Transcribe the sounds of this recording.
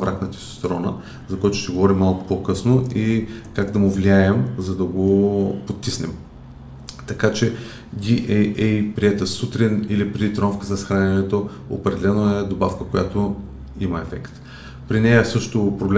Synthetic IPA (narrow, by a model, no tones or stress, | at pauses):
vɾaknət̪ʲi̥sst̪ɾɔnə̰ | zɐkojat̪ʊ̥ʃt̪ɛɡovɔɾimːalˠkʊ̥pokɤsnoikaɡd̪ɐmʊvliaɛmzɐd̪ɐɡopot̪ːisnɛ̰m | t̪ɐkat͡ʃɛ | ɡʲiʔɛɛipɾiɛt̪əsut̪ɾinilipɾɛd̪it̪ɾɔmfkəzɐsxɾanʲɛnɛt̪o | o̰pɾɛd̪ɛlɛnoɛd̪obafkəkojat̪o | imɐɛfɛkt̪ | pɾinɛjəsɤʃt̪opɾobl